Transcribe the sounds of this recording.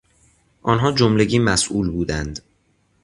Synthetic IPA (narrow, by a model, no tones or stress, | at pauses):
ʔɒːnɦɒːd͡ʒomleɟiːmæsʔuːlbuːd̪ænd̪